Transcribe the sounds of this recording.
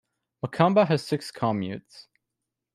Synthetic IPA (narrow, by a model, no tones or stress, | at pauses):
məkʰɑ̃mbəɨz̥sɪkskʰɑmjʉ̰ts